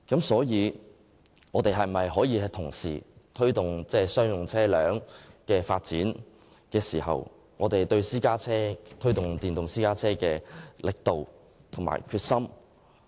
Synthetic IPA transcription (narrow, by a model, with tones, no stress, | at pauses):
kɐ˨˥msɔː˨˥jiː˨˧ | ŋɔː˨˧t̪e˨jɦɐ˨˩m˨mɐ˨jɦɔː˨˥jiː˨˧hɐ˨˧t̪ʰʊ˨˩ŋsḭː˨˩t̪ʰɵ˥ɥt̪ʊ˨ŋt͡sɛː˥sœː˥ŋjʊ˨˩ŋt͡sʰɛː˥lœː˨˥ŋkɛː˧faː˧t̚t͡siː˨˥n | kɛː˧siː˨˩ɦɐ̰˨w | ŋɔː˨˧t̪e˨jt̪ɵ˧ɥsiː˥kaː˥t͡sʰɛː˥t̪ʰɵ˥ɥt̪ʊ˨ŋt̪iː˨˩nt̪ʊ˨ŋsiː˥kaː˥t͡sʰɛː˥kɛː˧lɪ˨k̚t̪o˨w | t̪ʰʊ˨˩ŋma̰ː˨˩jkʰyː˧t̚sɐ˥m